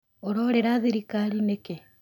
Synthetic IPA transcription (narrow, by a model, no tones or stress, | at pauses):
oɾoɾeɾaðeɾikaɾineke